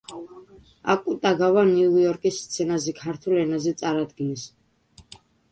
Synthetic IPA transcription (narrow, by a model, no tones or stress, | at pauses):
a̰kʼut̪ʼaɡavanujɔɾkʼisːt̪sʰɛnazɛkʰaɾt̪ʰulɛnazɛt̪sʼaɾad̪ɡinɛs